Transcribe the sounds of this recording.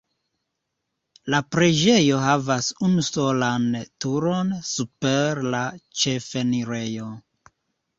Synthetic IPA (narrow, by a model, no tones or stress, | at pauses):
lapɾe̞d͡ʒe̞jo̞ɦavasunuso̞lantuɾo̞nsupe̞ɾlat͡ʃe̞fe̞niɾe̞jo̞